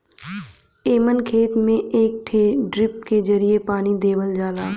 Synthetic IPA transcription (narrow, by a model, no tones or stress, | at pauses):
eːmənkʰeːt̪mẽʔeːk̚ʈʰeːɖɾɪp̚ked͡ʒəɾiepaːnid̪eːʋəld͡ʒaːlaː